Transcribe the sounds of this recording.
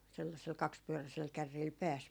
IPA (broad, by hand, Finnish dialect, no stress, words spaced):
selːɑsel kɑkspyøræsel kærːiːl pæːs